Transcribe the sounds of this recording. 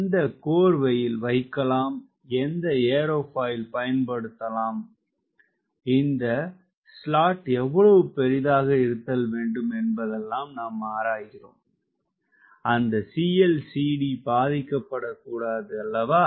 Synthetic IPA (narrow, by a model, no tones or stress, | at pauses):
ɪnd̪ɐkoːɾʋɐjɪlʋɐɪkːɐlaːm | ɛnd̪ɐeːɾoːfaːjɪlpɐjɐnpɐɽɯt̪ːɐlaːm | ɪnd̪ɐ | sɭaːʈɛʋːɐɭɐʋɯpɛɾɪðaːɣɐɪɾɯt̪ːɐlʋeːɳɖɯmɛnbɐðɛlːaːmnaːmaːɾaːjɣɪro̰ːm | ɐnd̪ɐsiɛlsiːɽibaːðɪkːɐpːɐɽɐkːuːɽaːðɯɐlːɐʋaː